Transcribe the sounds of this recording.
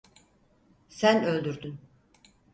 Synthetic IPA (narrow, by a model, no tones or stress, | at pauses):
sænølʲd̪yɾd̪yn